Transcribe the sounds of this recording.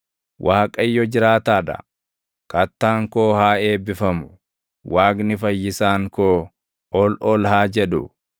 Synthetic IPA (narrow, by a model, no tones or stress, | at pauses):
wʔaːkʼɐjːɔd͡ʒɪɾaːt̪aːᶑ̪ɐ̰ | kɐt̪ːaːŋkoːhaːe̞ːbːɪfɐmʊ | waːknɪfɐjːɪsaːŋkoː | ɔlɔlɦaːd͡ʒɛᶑʊ̰